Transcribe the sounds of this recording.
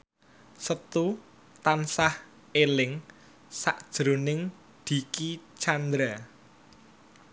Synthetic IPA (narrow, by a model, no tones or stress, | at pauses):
sət̪u | t̪ansah | elɪŋ | sa̰ʔd̥ʒ̥ɾo̤nɪŋ | d̪̥i̤kit͡ʃand̪ɾa